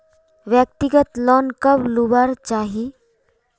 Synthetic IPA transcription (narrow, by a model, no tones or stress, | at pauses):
ʋjək̚t̪ɪɡət̪lɔːnkɐblubaːɾt͡ʃaːɦi